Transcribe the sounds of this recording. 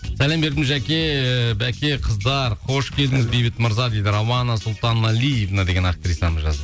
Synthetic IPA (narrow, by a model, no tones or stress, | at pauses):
sælembe̞ɾd̪ɪmʒækʲe̞bækʲe̞qʰəzd̪ɑɾqʰo̞ʃkʲʰe̞ld̪ɪŋɪzbejbɪt̪məɾzɑd̪ejd̪ɪɾɑwɑnɑsʊlˠt̪ɑnmɑlijevnad̪eɡʲe̞nak̚t̪ɾisɑməzʒɑ̰zə